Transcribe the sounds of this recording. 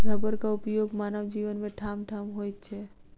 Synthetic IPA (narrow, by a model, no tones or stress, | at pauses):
ɾəbəɾkaʊpjoɡmaːnəwd͡ʒiʋənmẽʈʰamʈʰamɦojt̪̚t͡ʃʰɛ